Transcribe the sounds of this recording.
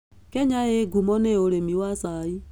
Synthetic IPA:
kɛɲaeɡumɔneoɾemiwasai

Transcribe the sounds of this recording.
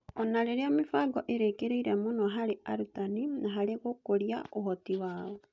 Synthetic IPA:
ɔnaɾeɾeamifaɡɔʔeɾekeɾeiɾɛmonɔɦaɾeaɾutaninaɦaɾeɣokoɾiaohɔtiwaːβɔ

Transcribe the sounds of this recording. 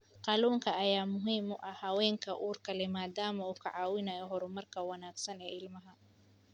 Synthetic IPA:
qɑluːŋkʰɐːjaːmʊɦiːmʊʔɐhɐwɛːŋkʰɐʔuːrkʰɐlɛmaːd̪aːmɐuːkʰɐʕɑːwɪnɐjɔɦɔɾʊmɐrkʰɐwɐnaːɡsɐnɛːɪlmɐɦɐ

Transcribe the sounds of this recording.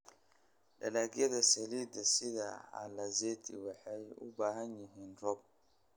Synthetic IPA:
dɛ̰laɡɛɡɛsɛlidɛsɪɡaa̰lazetʰḭwɛhɛʊ̰bahaɲiɦɪndɔb̚

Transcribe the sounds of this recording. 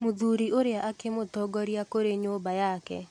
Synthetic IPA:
moðuɾiʔoɾeaʔakemotɔɡɔɾiakoɾeɲoːbajakɛ̰

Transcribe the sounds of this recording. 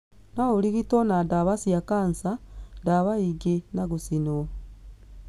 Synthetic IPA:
nauliɣitonadaβasjakansadaβaiɡenaɡusino

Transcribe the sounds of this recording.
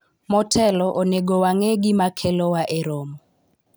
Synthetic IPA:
mɔtʰɛlɔʔoneɡowaŋeɡɪmakʰɛlɔwaʔeɾɔmɔ

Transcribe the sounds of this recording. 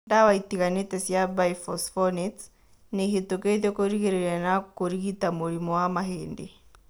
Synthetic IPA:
dawaitiɣanitɛsjabaifɔsfɔnit | nihituketokoɾiɣiɾɛɾanakoɾiɣitamuɾimɔwamaɦeːndi

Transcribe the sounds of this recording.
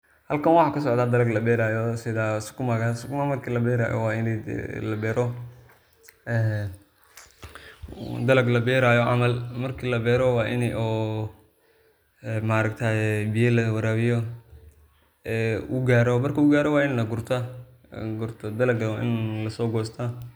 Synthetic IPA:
hɐlkʰɐnwɑħɑːkʰɐsɔʕd̪aːd̪ɐlɐɡlɐbɛːɾaːjɔsɪðasʊ̥kʰʊmɐɣɐsʊkʰʊmamɐrkʰilɐbɛːɾa̰ːjɔ̰wɑːɪn̰lɐbɛːɾɔ | ɛː | d̪ɐlɐɡlɐbɛːɾaːjɔʕɑmɐlmɐrkʰiːlɐbɛːɾɔwɑːʔɪnɛʔɔː | ɛmaɾɐɡt̪ʰaːbɪjɐlɐwɐɾaːβɪjɔ | ɛʊɡaːɾɔmɐrkʰɐʊɡaːɾɔwɑːɪnlɐɡʊrt̪ʰɐ | ɡʊrt̪ʰɔd̪ɐlɐɡwʔɪ̰nlɐsɔːɡɔːst̪ʰa

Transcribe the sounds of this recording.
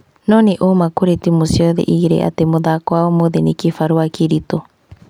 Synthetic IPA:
nɔneʔomakoɾetimosiɔðɛ̰ʔiɣiɾḛʔa̰temoðakwaomoðenekifaɾuakiɾito

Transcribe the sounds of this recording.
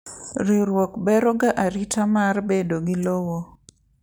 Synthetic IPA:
ɾiɾwɔkbɛɾɔɡaʔaɾitamarbedoɡɪlowo

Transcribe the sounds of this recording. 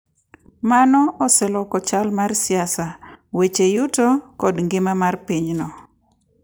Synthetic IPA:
manɔʔɔsɛlɔkɔt͡ʃalmarsɪasawet͡ʃejutokɔdŋɡɪmamarpiɲnɔ

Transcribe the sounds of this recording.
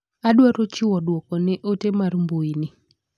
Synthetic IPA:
aɗwaɾot͡ʃɪwɔdwɔkɔnɛʔotemarmboinɪ

